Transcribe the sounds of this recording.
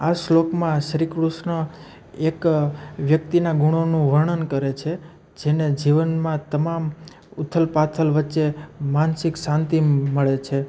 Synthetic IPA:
aslokmãsɾikɾuʃnə | ekʋjəkt̪inaɡuɳ̃onũʋəɾɳənkəɾet͡ʃʰe | d͡ʒened͡ʒiʋənmãt̪əmam | ʊt̪ʰːəlpat̪ʰəlʋətːʃemansɪksãnt̪iməɭet͡ʃʰe

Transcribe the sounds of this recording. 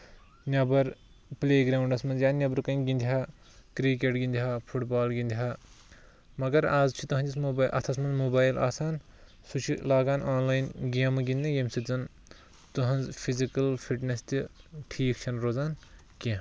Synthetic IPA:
nʲɐbɐɾ | pleːɡɾaːwuɳɖɐsmɐnzjaːnʲɐbɐɾkɐjnɡʲind̪ʲiɦaː | kɾikeʈɡind̪ʲiɦaːpʰuʈbaːlɡind̪ʲiɦa | mɐɡɐɾaːzt͡ʃʰit̪ɐɦɐ̃nd͡ʒismoːbaːʔɐ̰t̪ʰɐsmɐnzmoːbaːjla̰ːsaːn | sut͡ʃʰilaːɡaːnaːnlaːjnɡiɐmːɨɡind̪ɐ̃jemsid͡zɐn | t̪uɦɐnzpʰizikɐlpʰiʈnʲest̪ʲiʈʰiːkt͡ʃʰɐnɾoːzaːn | kʲẽ

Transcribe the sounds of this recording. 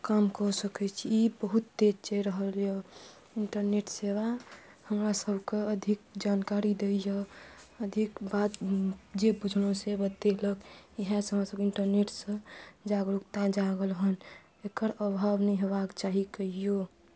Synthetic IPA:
kamkɔsəkɛt͡ʃʰiibəɦut̪ːed͡ʒt͡ʃɛɾəɦəljo | iɳʈəɾneʈseβa | həmɾasəbʱkeəd̪ʱik̚d͡ʒankaɾid̪ejəəd̪ʱikbat̪d͡ʒebud͡ʒʱnosebət̪eləkiɦɛ̃sɦəmɾasəbkiɳʈəɾneʈsə̃d͡ʒaɡɾukt̪ad͡ʒaɡəlɦən | ekəɾəbʱabnəiɦebakt͡ʃaɦikəɦijo

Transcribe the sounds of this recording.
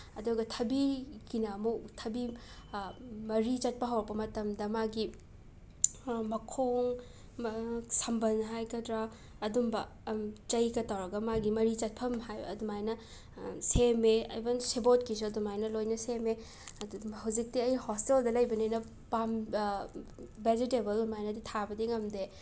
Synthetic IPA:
ɐduɡɐtʰɐbiɡinamuktʰɐbi | mɐɾit͡ʃɐt̚pɐɦɐwɾɐkpɐmɐtɐmdɐmaɡi | mɐkʰoŋ | sɐmbɐnɦajkɐdɾa | ɐdumbɐ | t͡ʃɐjkɐtawɾɐɡɐmaɡimɐɾit͡ʃɐt̚pʰɐmɦajɐ̰dumajnɐ | semeɐ̰jbɐnsibotkis̬uɐdumajnɐlojnɐseme | ɦɐwd͡ʒik̚tiɐjhosteldɐlɐjbɐninɐ | pam | bed͡ʒitebɐlumajnɐditʰabɐdiŋɐmde

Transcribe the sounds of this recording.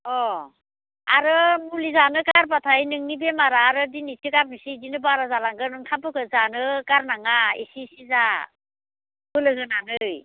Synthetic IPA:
ɔ | a̰ɾɯmulizanɯkaɾpatʰajnɯŋnibemaɾaːɾɯdinitʰɯɡap̚nisidinɯbaɾazalaŋɡɯnɯŋtʰampɯkɯzanɯkaɾnaŋaḭsisiza | bɯlɯɦɯnanɯj

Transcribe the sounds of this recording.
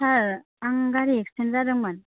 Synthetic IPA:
aɾ | aŋɡaɾiɛkstʰenɾadɯŋman

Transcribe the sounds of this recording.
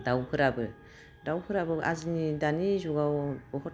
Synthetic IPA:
dawkʰɯɾabɯ | dawkʰɯɾabɯʔazinidanizuɡawb̥ɔhɔt

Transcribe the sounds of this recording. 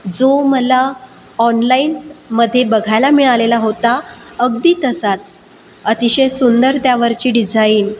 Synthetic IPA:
d͡zoməla | ɔnlainməd̪ʱːjebəɡʱajlamiɭalelaɦot̪aəɡd̪iːt̪əsat͡s | ət̪iɕəjsund̪əɾt̪jaʋəɾt͡ɕiːɖid͡zaiːn

